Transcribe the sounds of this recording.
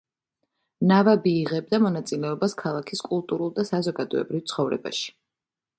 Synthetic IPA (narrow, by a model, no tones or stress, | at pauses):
navabiːʁɛb̚d̪amɔnat̪sʼilɛɔbaskʰalˠakʰiskʼulˠt̪ʼuɾulˠd̪asazɔɡad̪ɔ̰ɛ̰bɾivt̪sʰχɔvɾɛ̰ba̰ʃi̥